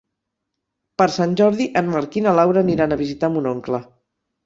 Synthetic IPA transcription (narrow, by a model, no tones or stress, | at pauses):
pəɾsanʲʒɔɾðiʔənməɾkinəlawɾəniɾanəβizit̪amunoŋklə